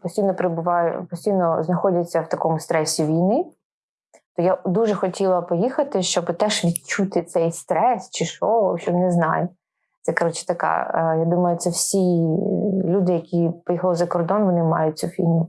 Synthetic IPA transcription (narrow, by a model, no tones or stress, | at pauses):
pɔsʲtʲijnɔpɾebʊʋɑjʊ̰pɔsʲtʲijnɔznɐxɔdʲɐt͡sʲːɐwt̪ɐkɔmʊst̪ɾɛsʲiʋʲijnɪ | t̪ɔjad̪uʒɛxɔtʲilˠɐpɔjixɐt̪ɪʃt͡ʃɔbt̪ɛʃʋʲid̪t͡ʃut̪ɪt̪sɛjst̪ɾɛst͡ʃɪʃɔʃt͡ʃɔbnɛznɑ̰jʊ | t̪sɛkɔɾɔt͡ʃɪ̥t̪ɐkɑ̰jad̪umɐjʊt̪sɛwsʲi | lʲud̪ɪjɐkʲipɔjixlˠɪzɐkɔrd̪ɔnʋɔnɪmɑjʊt̚ʲt͡s̪ʲufʲini